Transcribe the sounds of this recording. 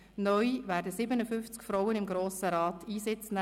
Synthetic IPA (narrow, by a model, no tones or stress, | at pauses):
nœjʋæːɾdəsɪbənəfʏft͡skfɾɔwənɪmɡɾoːsəɾɑːtiːsɪt͡snɛ